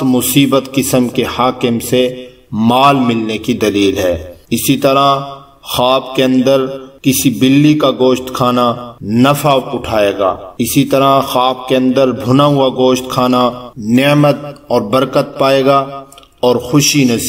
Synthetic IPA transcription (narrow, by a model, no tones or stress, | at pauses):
mʊsiːbət̪kɪsəmkehaːkɪmse | maːlmɪlnekid̪ɐliːlɦɛːɪsit̪ɐɾa | xaːbkeɐ̃nd̪əɾkɪsibɪlːikaɡoːʃt̪kʰaːnanɐfaːʊʈʰaːeːɡa̰ːɪsit̪ɐɾaxaːb̚keɐ̃nd̪əɾbʱʊnaɦʊaɡoːʃt̪kʰaːnanemət̪̚ɔːɾbɐɾkət̪̚paːeːɡaː | ɔːɾxʊʃinɐs